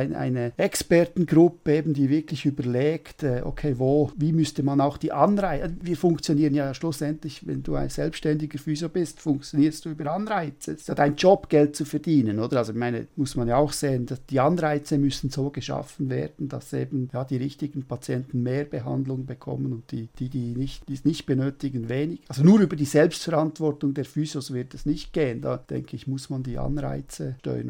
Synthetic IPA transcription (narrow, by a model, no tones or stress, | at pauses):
ɪnʔa̰ɪnəɛkspɛɐtn̩ɡʁʊpəeːbn̩diːvɪkʰlɪçyːbəleːktɛːʔo̰kʰeːvoːviːmʏstəmanaʊxd̥iːʔɑnʁaɪviːfʊŋkt͡sjoniːʁənjaːʃlʊsɛntlɪçvɛ̰nduːa̰ɪnz̥ɛlpʃtɛndɪɡəfyːzobɪstfʊŋkt͡sjoniːɾstd̥uːyːbəɾɑnʁaɪt͡səɪstjaːdaɪnd͡ʒɔpɡ̥ɛlt̚t͡sufɛɾdiːnənoːd̥əɾalzoɪçmaɪnə̰mʊsmanjaːaʊxseːəndad̥iːɑnʁaɪt͡səmʏsn̩z̥oːɡəʃa̰fn̩vḛːɾdn̩d̥ɑ̰seːbn̩jaːd̥iːʁɪçtɪɡn̩pʰat͡sjɛntn̩meːɾbəɦa̰ndlʊŋbəkʰɔ̰mənʊntd̥iːd̥iːdiːnɪçtd̥iːsnɪçt̚b̥ənøːtɪɡn̩veːnɪɡ̥alzonuːɾyːbəɾd̥iːzɛlpstfɛɾantv̥ɔɾtʊŋdeːɐɾfyːzosvɪɐtɛsnɪçt̚ɡ̥eːənda̰ːd̥ɛ̰ŋkʰəɪçmʊsmandiːʔa̰nʁa̰ɪt͡səʃtœ̰ʏə̰n